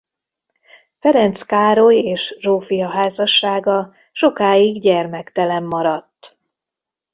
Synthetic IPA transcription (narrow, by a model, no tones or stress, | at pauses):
fɛɾɛnt̪skaːɾo̞jeːʃʒoːfijɒɦaːzɒʃːaːɡɒ | ʃo̞kaːjiɡɟɛrmɛkt̪ɛlɛmːɒɾɒt̪ː